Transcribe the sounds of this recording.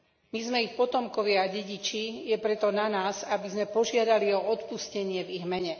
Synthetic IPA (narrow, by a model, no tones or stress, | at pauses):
mizmɛixpɔt̪ɔmkɔʋɪaaɟɛɟit͡ʃijɛpɾɛt̪ɔnanaːzabizmɛpɔʒɪad̪aliɔɔt̪puscɛɲɪɛviɣmɛɲɛ